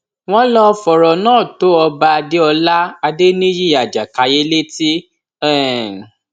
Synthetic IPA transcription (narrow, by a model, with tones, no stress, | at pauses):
w̃ɔ̃˦lɔ˦˧˦fɔ˨ɾɔ˨nãː˦˨to˨˦ɔ˧ba˧a˧de˦ɔ˧la˦a˧de˦nĩ˦jĩ˦˨a˨d͡ʒa˨ka˨je˦le˦ti˦ | ɛ̃˦˨